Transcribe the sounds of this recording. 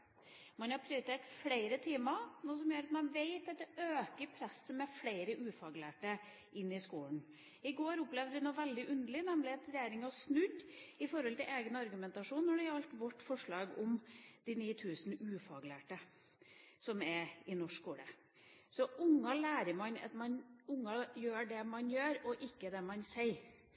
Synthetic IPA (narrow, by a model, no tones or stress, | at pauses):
mɑnhɑɾpʰɾɛʊɾt̪ʰeːʈfleɪɾət̪ʰiːmənuːs̬ɔmjøːɾɑt̪mɛnʋeɪt̪ɑt̪̚d̪ɛøːkəɾpʰɾɛsːəmɛfleɪɾəʔʉːfɑːɡlæːʈə | ʔɪnːɪskuːln | ɪɡoːɾʊplɛʋd̪ʋɪnuːʋɛld̪ɪʔʉnd̪əɭɪnɛmlɪɑt̪ɾɛjeːɾɪŋɑsnʉd̪ɪfɔɾhɔlt̪ɪlʔeːɡənɑɾɡʉmɛnt̪ɑʂuːnːɔɖɛɑlt̪ʋɔʈːfɔʂɭɑːɡʊmd̪̥ɪniːt̪ʰʉːsn̩ʉːfɑːɡlæ̰ːʈə | sɔmɛɪnɔʂkuːlə̰ | sɔʔʊŋːɑlæːɾəɾmɑnɑ̰t̪mɑnʊŋːɑjøːɖɛmɑnjøːɾɔʔɪkːəd̪ɛmɑnsɛɪ